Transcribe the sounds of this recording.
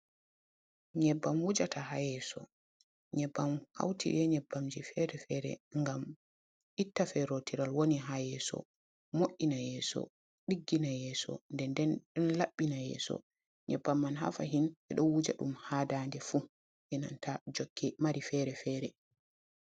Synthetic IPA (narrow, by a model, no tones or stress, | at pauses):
ɲɛbːamwud͡ʒatʰaɦajɛsɔ̰ | ɲɛbːamha̰wtʰḭʔɛɲɛbːamd͡ʒifɛɾɛfɛɾɛ̰ŋɡam | ʔitːafɛɾotiɾalwoniɦajɛsɔ̰ | moʔinajɛːsɔ̰ | ɗiɡːinajɛːsɔ̰ndɛndɛnɗɔnlaɓːinajɛ̰sɔ̰ | ɲɛbːamːanɦa̰fa̰ɦinʔɛɗɔnwud͡ʒa̰ɗumhaːdandɛfu | ʔɛna̰ntʰad͡ʒokʰːɛmaɾifɛɾɛfɛːɾɛ